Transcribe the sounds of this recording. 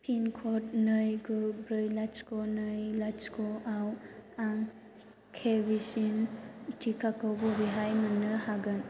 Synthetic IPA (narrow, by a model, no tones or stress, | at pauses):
pʰinkʰɔt̚nɯjɡɯbɾɯjlat͡ʃkɔnɯjlat͡ʃkɔʔawaŋ | kʰebisintʰikʰakʰɯwbɔbiɦajmɯnɯhaɡɯn